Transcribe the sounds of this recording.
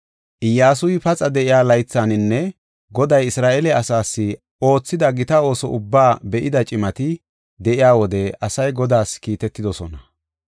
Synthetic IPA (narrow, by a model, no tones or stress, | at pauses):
ʔɪjːaːs̬ʊjɪpɐt͡sʼɐd̪ɛʔɪjaːlɐjt͡sːanɪnːɛ | ɡɔd̪ɐjɪsɾaːʔɛlɛɐsaːsːɪ | o̞ːt͡sːɪd̪ɐɡɪt̪ɐo̞ːsɔ̰ʔʊbːaːbɛʔɪd̪ɐt͡ʃʼɪmɐt̪ɪ | d̪ɛʔɪjaːwɔd̪ɛʔɐsɐjɡɔd̪aːskiːt̪ɛt̪ːɪd̪ɔsɔnɐ